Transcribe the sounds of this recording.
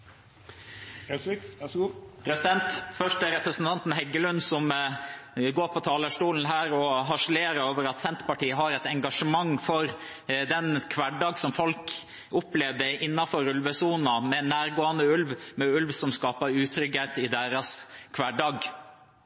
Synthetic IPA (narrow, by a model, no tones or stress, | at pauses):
s | pʰɾɛsɪd̪ɛnt̪fœʂʈəɾɛpɾəsnt̪ʰɑnt̪n̩hɛɡəlʉnd̪sɔm | ɡoːɾpʰɔt̪ʰɑːləʂʈuːln̩ɦæːɾɔɦɑʂəleːɾəoːʋəɾɑt̪sɛnt̪pɑʈiːəɦɑɾɛt̪ɛŋɡɑʂəmɑŋːfɔɾ | d̪ɛnkʰʋæɖɑːɡsɔmfɔlk | ʊpleːʋd̪əɪnːɑfɔɾʉlʋəsuːnɑmɛnæːɾɡoːɑnəʉlʋmɛʉlʋsɔmskɑːpɑɾʉːt̪ʰɾʏɡeːt̪ɪd̪eːɾɑskʰʋæɖɑːɡ